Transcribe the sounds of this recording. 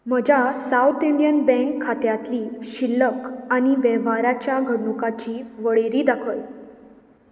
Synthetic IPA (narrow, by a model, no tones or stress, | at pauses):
m̤əd͡ʑʱasaut̪iɳɖijənbɛ̃ŋkʰːat̪jat̪liːɕilːəkañiʋɛʋaɾat͡ɕjaɡʱəɽnukat͡ɕiːʋəɭeɾiːd̪akʰəj